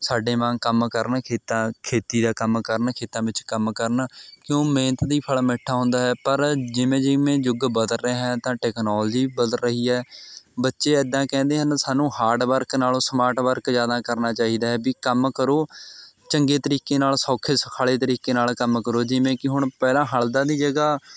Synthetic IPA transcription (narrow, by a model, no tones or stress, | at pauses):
saːɖeːmãːkəmkəɾnkʰeːt̪ãːkʰeːt̪iːd̪aːkəmkəɾnkʰeːt̪ãːʋɪt͡ʃkəmkəɾnkjõːmẽːnət̪d̪iːpʰəlmɪʈʰːaːɦʊ̃nd̪aːɦɛːpəɾd͡ʒɪʋẽːd͡ʒɪʋẽːd͡ʒʊɡbəd̪əlɾeːɦɛ̃ːt̪ãːʈɛːknoːld͡ʒiːbəd̪əlɾəɦiːɛːbətːʃeːɛd̪ːãːkɛ̃ːnd̪eːɦənsaːnũːɦaːɾʈʋəɾknaːlõːsəmaːɾʈʋəɾkzjaːd̪aːkəɾnaːt͡ʃaːɦiːd̪aːɦɛːbiːkəmkəɾoː | t͡ʃəŋɡeːt̪əɾiːkeːnaːlsɔːkʰeːsəkʰaːleːt̪əɾiːkeːnaːlkəmkəɾoːd͡ʒɪʋẽːkɪɦʊɳpɛːlãːɦəld̪ãːd̪iːd͡ʒəɡaː